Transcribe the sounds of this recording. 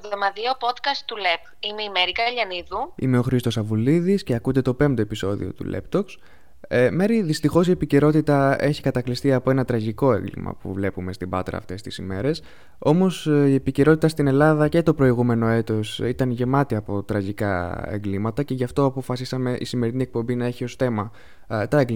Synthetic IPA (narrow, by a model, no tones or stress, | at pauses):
ɣðo̞mɐðiopot̪kɐst̪ulep | imeimeɾikɐʎɐniðuḭme̞o̞xɾist̪o̞sɐvuliðisce̞ɐkund̪e̞t̪o̞pe̞mt̪o̞e̞piso̞ðḭo̞̰t̪ṵlḛpt̪o̞ks | me̞ɾiðist̪ixo̞sie̞pice̞ɾo̞t̪it̪ɐe̞çikɐt̪ɐklist̪iɐpo̞e̞nɐt̪ɾɐʝiko̞e̞̰ŋɡlḭmɐ̰pṵvle̞pume̞st̪ibɐ̰t̪ɾɐ̰ːft̪e̞st̪isime̞ɾe̞s | o̞mo̞sie̞pice̞ɾo̞t̪it̪ɐst̪ine̞lɐðɐce̞t̪o̞pɾo̞iɣume̞no̞e̞t̪o̞sit̪ɐnʝe̞mɐt̪iɐpo̞t̪ɾɐʝikɐ̰ḛŋɡlimɐt̪ɐce̞ʝɐft̪o̞ɐpo̞fɐsisɐme̞ʔḭsime̞ɾinie̞k̚po̞mbinɐe̞çio̞sθe̞mɐ | t̪ɐeŋɡl